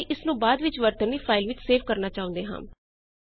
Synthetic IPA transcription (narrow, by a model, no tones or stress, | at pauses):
ʔɪsnũːbaːd̪ʋɪt͡ʃʋəɾt̪əniːpʰaːɪlʋɪt͡ʃseːfkəɾnaːt͡ʃaːʊ̃nd̪eːɦã̰ːm